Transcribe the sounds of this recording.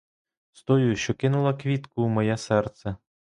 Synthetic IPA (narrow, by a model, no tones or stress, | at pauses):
st̪ɔjuʃt͡ʃɔkɪnʊlˠɐkʋʲit̪kʊmɔjɛsɛrt̪sʲɛ